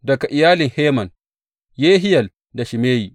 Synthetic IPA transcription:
dɐ˨ka˨ʔɪ˨jaː˦lɪ˨ŋheː˦mɐ˨n | jeː˦ɦɪ˦jɐ˨l | da˨ʃɪ˨meː˦jiː˨

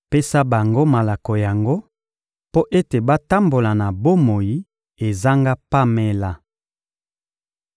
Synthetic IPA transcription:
pe˦sa˦ba˨ŋɡo˦ma˨la˨kɔ˨ja˨ŋɡo˦ | po˦ʔe˦te˨ba˦ta˦mbo˨la˨na˨bo˦mo˨ji˦ | e˨za˦ŋɡa˦pa˦me˦la˨

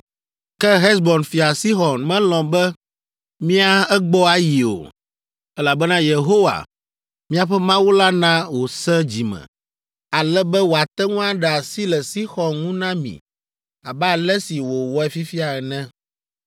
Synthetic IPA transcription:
kɛ˦ɦɛ˦sbɔ˨nfi˨a˨si˦xɔ˨nmɛ̃˦lɔ̃˨bɛ˦ | mĩ˦a˦ɛ˦ɡ͡bɔ˦a˦ji˨o̰˨ | ɛ˦la˨bɛ˦nã˦je˨ɦo˦wa̰˨ | mĩ˦a˨ɸɛ˦mã˦wu˦la˦nã˦wo˨sɛ̃˦d͡ʑi˨mɛ̰̃˨ | a˨lɛ˦bɛ˦wo˨a˨t̪ɛ˦ŋũ˦a˦ɖɛ˨a˨si˦lɛ˨si˦xɔ˨nŋũ˦nã˦mḭ̃˨ | a˨ba˦a˨lɛ˦si˨wo˨wɔ˦ɛ˨fi˦fi˦a˨ɛ˨nɛ̃˦

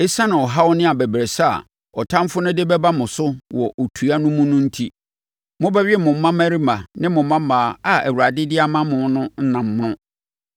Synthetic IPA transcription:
e˦sã˦nã˨ɔ˨ɦa˦wɔ˦nɪ̃˦a˨bæ˨bɾe˨sa˦a̰˨ | ɔ˨tʰã˦m˦fʊ˦nʊ̃˦dɪ˦bɛ˦ba˦mʊ̃˨sʊ˦wɔ˨ʔo˨tʰu˨a˦nʊ̃˦mʊ̃˦nʊ̃˦n̩˦tʰi˦ | mʊ̃˦bɛ˦ɥɪ˦mʊ̃˨m̩ː˦ã˦mæ˦ɾi˦mã˨nɪ̃˦mʊ̃˨˦mã˦maː˨a˨æ˨wu˨ɾa˨dɪ˦dɪ˦a˦mã˦mʊ̃˨˦nʊ̃˦n̩˦nã˨mː˦nʊ̃˦

